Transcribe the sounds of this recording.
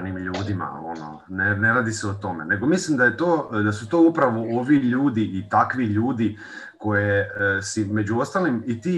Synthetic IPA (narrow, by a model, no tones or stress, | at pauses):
nimʎuːd̪ima̰ono̰ | neneɾaːd̪iseot̪o̞mḛne̞ɡo̞mislimd̪ajet̪oːd̪asut̪o̞ːupɾaʋoo̞ʋiʎuːd̪iit̪akʋiʎuːd̪i | ko̞jesime̞d͡ʑuo̞st̪alimit̪iː